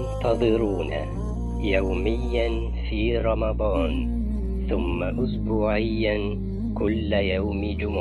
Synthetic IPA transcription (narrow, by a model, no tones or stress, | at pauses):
nt̪ɑðˤɨɾuːna̰ | jawmɪjːan | fiːɾˤɑmɑd̪ˤɑːn | θʊmːaʔʊsbuːʕɪjːa | kʊlːjawmɪd͡ʒʊm